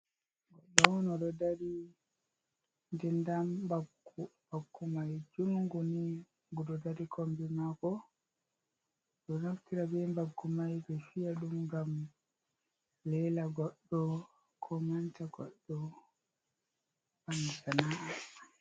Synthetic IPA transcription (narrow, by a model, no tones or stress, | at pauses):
ɡɔɗɔwnɔɗɔdaɾi | ndɛndambaɡubaɡːumajd͡ʒuŋŋɡuni | ɡuɗɔdaɾikʰombɛmakɔ | ɗɔnaftiɾabɛmbaɡːumajbɛfijaɗumɡam | lɛlaɡɔɗːɔ | kʰɔmantaɡɔ̰ɗːɔ | banːasanaɗa